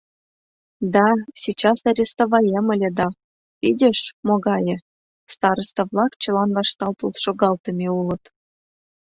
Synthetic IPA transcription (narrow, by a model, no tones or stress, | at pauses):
d̪ɑsʲit͡ɕɑsɑɾʲest̪ovɑjemə̆lʲĕd̪ɑ | pidʲeʃmoɣɑjĕ | st̪ɑɾəst̪ɤ̆vlˠɑkt͡ɕə̆lɑnvɑʃt̪ɑlt̪ə̆lʃoɣɑlt̪ə̆mʲeulə̆t̪